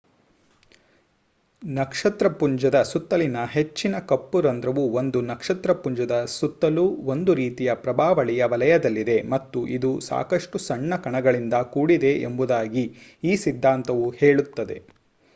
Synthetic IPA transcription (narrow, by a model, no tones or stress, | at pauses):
nɐkʂɐt̪ɾɐpuɲd͡ʒɐd̪ɐsut̪ːɐlinɐɦe̞t͡ʃːinɐkɐpːuɾɐnd̪ɾɐʋuond̪unɐkʂɐt̪ɾɐpuɲd͡ʒɐd̪ɐsut̪ːɐluo̞nd̪uɾiːt̪ijɐpɾɐbʱaːʋɐɭijɐʋɐlɐjɐd̪ɐlːid̪e̞mɐt̪ːuʔid̪usa̰ːkɐʂʈusɐɳːɐkɐɳɐɡɐɭind̪ɐkuːɽid̪e̞ḛmbud̪aːɡiiːsid̪ʱːaːnt̪ɐʋuheːɭut̪ːɐd̪e̞̰